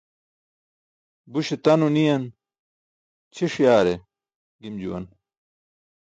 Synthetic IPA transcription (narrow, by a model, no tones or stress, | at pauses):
buɕet̪ɐnunijɐn | t͡ɕʰiʂijaːɾe | ɡimd͡ʑṵwɐ̰n